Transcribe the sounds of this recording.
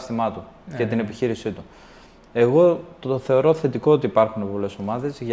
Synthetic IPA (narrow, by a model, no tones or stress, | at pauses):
st̪imɐt̪uet̪ine̞piçiɾisit̪u | e̞ɣo̞t̪oθe̞o̞ɾo̞θe̞t̪iko̞ot̪iːpɐɾxunepo̞le̞so̞mɐðe̞zʝ